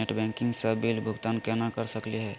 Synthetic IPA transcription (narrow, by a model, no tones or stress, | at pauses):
eʈbɛ̃ŋkɪ̃ŋɡsabilbʱʊɡt̪aːnkɛnakɐɾsəkliɦɛː